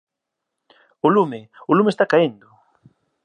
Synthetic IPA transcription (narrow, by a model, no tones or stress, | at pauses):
olumeʊlumest̪akaend̪ʊ